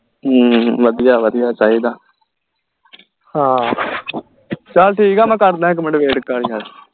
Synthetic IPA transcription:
ɦʋəd̪ijaːʋəd̪ɪjaːt͡ʃaːɦiːd̪aː | hãː | t͡ʃəlʈʰiːkaːmɛ̃ːkəɾd̪ãːɦɛ̃ːk̬əməɳɖʋeːʈkəɾiːɦal

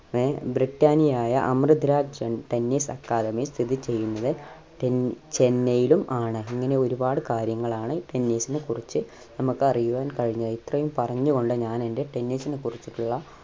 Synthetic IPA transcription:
ebriʈːaːnijaːjɐʔɐmrɨd̪ʱiɾaːd͡ʑɐʈenːiːsɐkːaːðɐmist̪ʰiðit͡ɕe̞jːunːɐðɨ | ʈet͡ɕe̞nːɐjilumʔaːɳɨiŋːɐne̞o̞ɾubaːɽɨkaːɾjɐŋːɐɭaːɳɨʈe̞nːiːsinɨkurit͡ɕːɨ | nɐmukːɨɐrijuʋaːnkɐɻiɲːɐðit̪rɐjumpɐrɐɲːuɣo̞ɳɖɨɲaːne̞nde̞ʈe̞nːiːsinɨkurit͡ɕːiʈːuɭːɐ

